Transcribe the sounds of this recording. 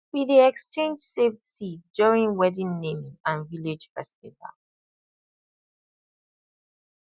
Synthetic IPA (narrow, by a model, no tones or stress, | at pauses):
wiðiɛkst͡ʃẽnd͡ʒseftsitdɔɹĩŋwɛdĩnːẽmĩŋãnviled͡ʒfɛstiva̰l